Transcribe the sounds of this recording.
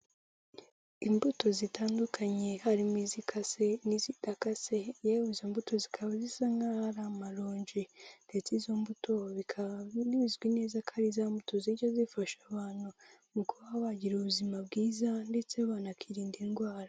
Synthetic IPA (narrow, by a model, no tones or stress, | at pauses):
imbuto̞zitaːndukʰaɲe̞haɾimiːzikʰase̞nizitakasejawuizombutʰo̞zikʰaβazisaŋɡaɾamaɾoːɲd͡ʒinde̞t͡sizombutʰo̞βikʰaniizɡwineːzakʰaɾizaːmbutoziɾɟo̞zifaʃaβaːn̥hu | mukuβahaβaɟiɾuβuzimab̚ɡiːzande̞t͡seβaːnakʰiɾiːndinɡwaːɾa